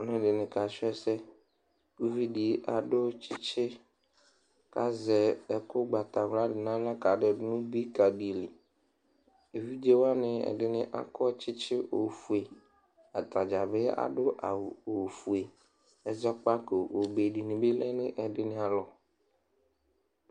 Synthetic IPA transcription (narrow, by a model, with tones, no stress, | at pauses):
nʊ̃˦ɖɪ˨nɪ̃˨ka˨sɛ˦sɛ˦ | u˦vi˦di˨ʔa˨ɖʊ˦t͡ʃʰɪ˦t͡ʃʰɪ˦ | ka˦zɛ˨ɛ˨kʊ˦ɡ͡ba˨t̪a˨ɣla˦dɪ˨nã˦la˦ka˨ɖɪ˨dɪ˦nʊ̃˦bi˦ka˨di˨li˨ | e˨vi˦d͡ʒe˦wa˦nɪ̃˦ɛ̰˨ɖɪ˦nɪ̃˦ʔa̰˦kʰɔ˦t͡ʃɪ˦t͡ʃʰɪ˦ʔo˨fu˨e˨ | a˨t̪a˨d͡ʒa˨bɪ˦a̰˨ɖʊ˦ʔa̰˨wo˨fu˨e˨ | ɛ˨zɔ˦k͡pa˦ke˨o˨be˨ɖi˨nĩ˨be˦lɛ˦nɪ̃˦ʔɛ˨ɖɪ˦nɪ̃˦a˨lɔ˨